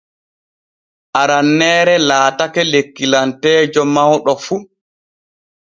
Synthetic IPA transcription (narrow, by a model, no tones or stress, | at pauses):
ʔaɾanːɛːɾɛlaːtakɛlekːilantɛːd͡ʒɔmawɗɔfu